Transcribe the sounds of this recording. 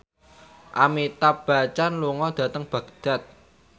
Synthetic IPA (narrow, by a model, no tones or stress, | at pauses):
ʔa̰mit̪ab̥a̤t͡ʃanluŋɔd̪̥ä̤t̪əŋb̥ä̤ɡ̥d̪̥a̤t̪̚